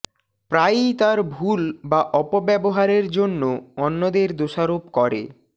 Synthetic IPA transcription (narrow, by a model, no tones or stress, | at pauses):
pɾajt̪aɾbʱulbaʔɔpobɛboɦaɾeɾd͡ʑonːoɔnːod̪eɾd̪oʃaɾopkɔɾḛ